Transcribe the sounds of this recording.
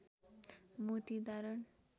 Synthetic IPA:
mut̪id̪aɾəɳ

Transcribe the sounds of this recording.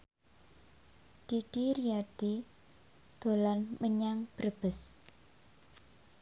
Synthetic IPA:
d̪̥iɖ̥iɾiad̪̥i | d̪̥o̤lanməɲaŋb̥ərb̥əs

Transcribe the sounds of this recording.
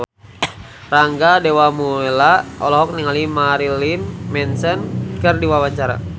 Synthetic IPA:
raŋɡadɛwamuɛlaɔlɔɦɔk̚niŋalimaɾilinmɛnsɛnkɨrdiwawat͡ʃaɾa̰

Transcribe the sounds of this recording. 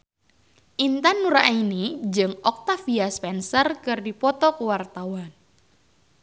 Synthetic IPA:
ʔint̪anːuɾa̰ʔinid͡ʒɨŋɔk̚t̪afiaspɛnsərkɨrdipɔt̪ɔkəwart̪awan

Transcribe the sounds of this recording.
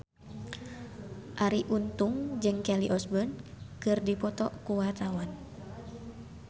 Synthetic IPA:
ʔaɾiʔunt̪uŋd͡ʒɨŋkɛliʔɔsbɔnkɨrdipɔt̪ɔ̰kuwart̪awan

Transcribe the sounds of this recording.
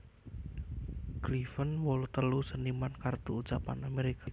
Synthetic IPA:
ɡ̥lifənwɔlut̪əlusənimankart̪uut͡ʃapa̰nameɾika

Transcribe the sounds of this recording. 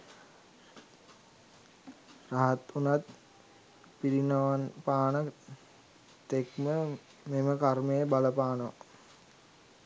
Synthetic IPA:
raɦat̪unat̪ | piɾinəʋanpaːnə | t̪ekmə | meməkarməjəbaləpaːnʋa̰

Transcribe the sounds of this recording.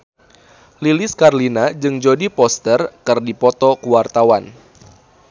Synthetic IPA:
lilɪskarlinad͡ʒɨŋd͡ʒodipɔst̪ərkɨrdipɔt̪ɔkuwart̪awan

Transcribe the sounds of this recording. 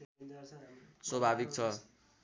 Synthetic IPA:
swʌbʱabik̚t͡sʰʌ

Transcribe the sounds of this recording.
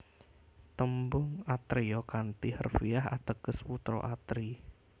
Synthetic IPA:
t̪əmbʊŋat̪ɾiɔkant̪ihə̰rfiaɦa̰t̪əɡ̥əsput̪ɾɔ̰ʔat̪ɾi

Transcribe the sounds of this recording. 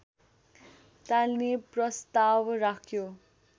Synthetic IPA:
t̪alneprʌst̪awrakʰjo

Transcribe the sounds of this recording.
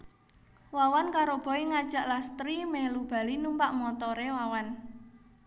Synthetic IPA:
wawankaɾob̥ɔ̤eŋad̥ʒ̥ä̤ʔlast̪ɾimɛhlub̥a̤linumpaʔmɔt̪ɔɾewawan

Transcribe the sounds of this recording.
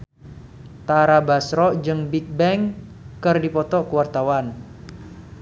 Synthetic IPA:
t̪aɾabasɾɔd͡ʒɨŋbik̚bɛŋ | kɨrdipɔt̪ɔkuwart̪awan

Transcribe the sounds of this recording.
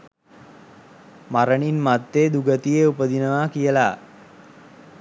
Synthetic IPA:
maɾəɳinmat̪ːeːd̪uɡət̪ijeupəd̪inəʋakijəla

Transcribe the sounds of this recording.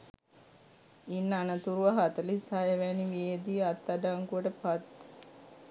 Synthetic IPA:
inːanət̪uɾuʋaɦat̪əlisajɐʋæːniʋied̪iat̪ːad̪aːŋkuəʈəpat̪

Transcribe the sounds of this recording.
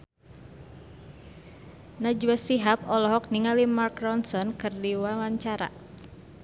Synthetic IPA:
nad͡ʒuwasiɦap̚ɔlɔɦɔk̚niŋalimarkrɔnsɔnkɨrdiwalaɲt͡ʃaɾa̰

